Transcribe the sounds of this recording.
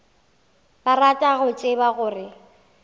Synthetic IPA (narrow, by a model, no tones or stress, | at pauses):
baratʼaɣʊt͡ʃʼebaɣʊːrɪ